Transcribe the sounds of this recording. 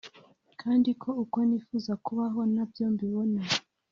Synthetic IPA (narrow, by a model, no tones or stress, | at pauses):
kʰaːndikʰo̞uko̞niːfuːzakuβaɦo̞nabjo̞ːmbiβo̞na